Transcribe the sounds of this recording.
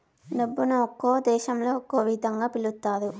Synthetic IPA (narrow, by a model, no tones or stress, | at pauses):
ɖɐbːunuokːoːd̪ɛːʃɐmlo̞ːɔkːoːʋid̪ʱɐŋɡaːpilut̪ːaːd̪u